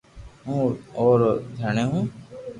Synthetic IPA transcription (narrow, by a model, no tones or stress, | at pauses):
ɦũːoːɾd̪ʱəːɳẽːɦũː